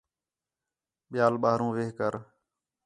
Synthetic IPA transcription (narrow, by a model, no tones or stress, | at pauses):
ɓɪjaːlɓaːɾũːʋeːkəɾ